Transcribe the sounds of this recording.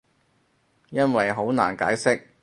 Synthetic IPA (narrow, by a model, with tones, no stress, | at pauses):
jɐ˥nwɐ˨jɦo˨˥wna̰ː˨˩nkaː˨˥jsɪ˥k̚